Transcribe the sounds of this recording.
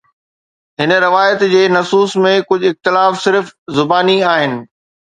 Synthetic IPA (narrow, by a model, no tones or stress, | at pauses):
ɦɪn̆ɾɪʋaːjət̪d͡ʑeːnɐsuːsmẽkʊd͡ʑʱɪxt̪ɪlaːfsɪɾfzʊbaːniaːɦɪnɪ̆